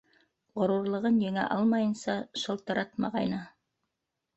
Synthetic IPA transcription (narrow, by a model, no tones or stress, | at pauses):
ʁŏɾuɾlˠɤ̆ʁɤnjæ̆ŋæ̰ʔɑlˠmɑjɤ̆nsɑʃɤ̆lˠt̪ɤ̆ɾɑt̪mɑ̰ʁɑjnɤ